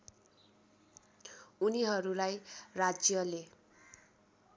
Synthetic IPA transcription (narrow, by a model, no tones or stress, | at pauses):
uniɦʌɾulajrad͡zjʌle